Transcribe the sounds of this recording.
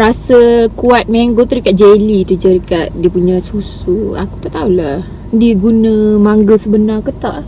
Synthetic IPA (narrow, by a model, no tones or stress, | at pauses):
ɾasəkuat̪̚mɛŋɡot̪udəkat̪̚d͡ʒelit̪ud͡ʒədəkat̪̚diəpuɲãsusua̰ku̥t̪aʔt̪aulah | diɡunə̃maŋɡəsəbənarkut̪aʔ